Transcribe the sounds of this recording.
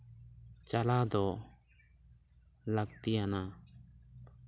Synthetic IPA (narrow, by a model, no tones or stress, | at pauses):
t͡ʃalad̪ɔ | laɡt̪ijana